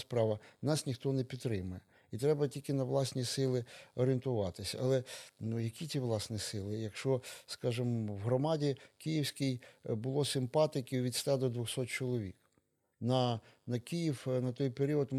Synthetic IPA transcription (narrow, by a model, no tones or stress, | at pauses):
spɾɑʋɐnɑsnʲixt̪ɔnɛpʲit̪ːɾɪmʊjɛ | it̪ɾɛbɐtʲilʲkɪnɐʋlˠɑsʲnʲisɪlˠɪɔɾʲɪɪnt̪ʊʋɑt̪ɪsʲɐɐ̰lˠɛnujɐkʲit͡sʲiʋlˠɑsnʲisɪlˠɪjɐkʃt͡ʃɔskɑʒɪmwɦɾɔmɑdʲikijiwsʲkɪjbʊlˠɔsɪmpɑt̪ɪkʲɪʋʲit̪st̪ɑd̪ɔd̪ʋʊxsɔt̪̚t͡ʃɔlˠɔʋʲḭk | nɐnɐkʲijiwnɐt̪ɔjpeɾʲiɔt̪m